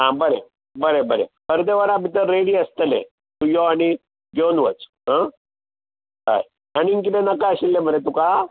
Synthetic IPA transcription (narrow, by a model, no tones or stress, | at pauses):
ɦãbəɾe | bəɾebəɾḛpəɾd̪eʋəɾabʱit̪əɾːeɽiəst̪əlḛ̃ | t̪ujoaɽ̃i | ɡonʋət͡sɦã | ɾa̰j | añiiŋk̬it̪ẽnəkaəɕilːebʱəɾet̪uka